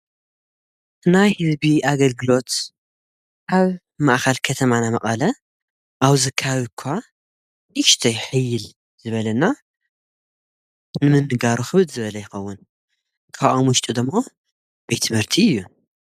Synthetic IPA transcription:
najhɨzbiaɡɐlɡɨlo̞t̪ | ʔaβ | maʔxɐlkʰɐt̪ʰɐmanamɐʔʼɐlɐ | ʔaβzɨkʰːaβikʰːa | niʃt̪ʰɐjħɨjːɪl | z̥ɨβɐlɐnːa | nɨmɨnːɨɡaɾuxɨβɨd̪zɨβɐlɐjɪxɐwːʊn | kʰaʔomʊʃt̪ʼud̪ɨmːo̞ | bet̪ʰɨmhɨɾt̪ʰiɨjːu

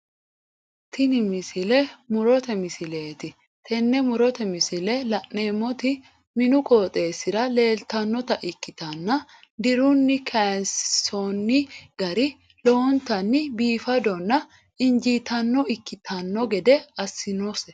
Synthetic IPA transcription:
t̪ɪnɪmɪsɪlɛmʊɾɔt̪ɛmɪsɪle̞ːt̪ɪ | t̪ʰɛnːɛmʊɾɔt̪ɛmɪsɪlɛlɐʔːe̞ːmːɔt̪ɪ | mɪnʊkoːt̪ʼe̞ːsɪɾɐle̞ːlt̪ɐnːɔt̪ɐʔɪkːɪt̪ɐnːɐ | d̪ɪɾʊnːɪkʰanssonːɪɡ̥ɐɾɪ | loɔnt̪ɐnːɪbiːfɐd̪ɔnːɐ | ɪnd͡ʒiːt̪ɐnːɔɪkːɪt̪ʰɐnːɔɡɛd̪ɛɐsːɪnosɛ

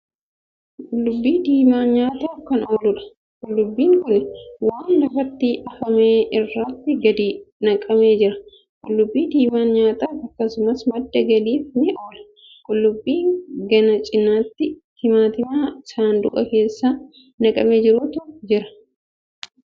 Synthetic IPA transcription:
kʼʊlːʊbːiːd̪iːmaːnɲaːt̪aːfkɐno̞ːlʊᶑɐ̥ | kʼʊlːʊbːiːŋkʊnɪwaːnlɐfɐt̪ːiːʔɐfɐme̞ːʔɪrːɐt̪ːɪɡɐd̪iːnɐkʼɐme̞ːd͡ʒɪɾɐ̥ | kʼʊ̰lːʊbːiːd̪iːmaːnɲaːt̪aːfɐkːɐsʊmɐsmɐd̪ːɐɡɐliːfnɪʔo̞ːlɐ̥ | kʼʊlːʊbːiːɡɐnɐt͡ʃʼɪnaːt̪ːɪt̪ɪmaːt̪ɪmaːsaːnd̪ʊʔɐke̞ːsːa | nɐkʼɐmeːd͡ʒɪɾʊt̪ʊd͡ʒɪɾɐ̥

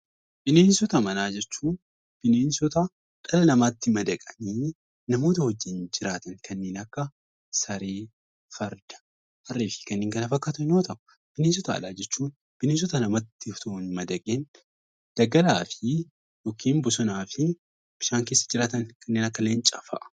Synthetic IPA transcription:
b̥ɪne̞ːnsɔt̪ɐmɐnaːd͡ʒɛt͡ʃːuː | b̥ɪneːnsɔt̪ɐ | kʼɐlɐnɐmaːt̪ːɪmɐd̪ɐkʼɐ̥niː | nɐmo̞ːt̪ɐhɔd͡ʒːɪnd͡ʒɪɾaːt̪ɐŋkʰɐnːeːnɐkːɐ | sɐɾeː | fɐɾd̪ɐ̥ | ɐrːiːfɪ̥kɐnːeːŋɡɐlɐfɐkːaːt̪ɐnjo̞ːt̪ɐʔʊ | b̥ɪneːns̬ɔt̪ɐ̰ːlaːd͡ʒɛt͡ʃːuːn | b̥ɪneːns̬ɔt̪ɐnɐmat̪ːɪft̪unmɐd̪ɐkʼen | d̪̥ɐɡɐlaːfɪ | joːkʰiːmbʊsɔnaːfɪ | b̥ɪʃaːŋke̞ːsːɐd͡ʒɪɾaːt̪ɐŋkʰɐnːeːnɐkːɐlːeːnt͡ʃʼɐfɐ̰ʔɐ̥

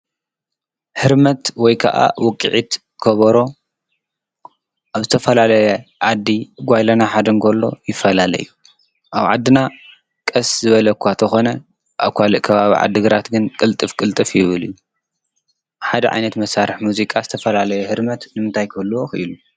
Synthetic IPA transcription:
hɨɾmɐt̪wɔjkʰa̰ʔa̰wɔkʼːḭʕit̪ | kʰɐβɐɾo̞ | ʔaβzɨt̪ʰɐfɐlalɐjɛʕad̪ːiɡʷajlɐnaħad̪ɐŋkʰolːo̞̰jɪfːɐlalɐ̰jːu | ʔaβʕa̰d̪ːɨna | kʼɐszɨβɐlɐkʷʰat̪ʰɐxo̞nɐ | ʔaβkʷʰalɨʔkʰɐβaβḭʕa̰d̪ːɨɡɨɾat̪ɡɨnkʼɨlt̪ʼɨfkʼɨlt̪ʼɨfjɪβɨlijːu | ħad̪ɐ̰ʕa̰jnɐt̪mɐsːaɾɨħmuzikʼazɨt̪ʰɐfɐlalɐjɛhɨɾmɐt̪nɨmɨnt̪ʰajkʰɨlːuwoxʔḭlu

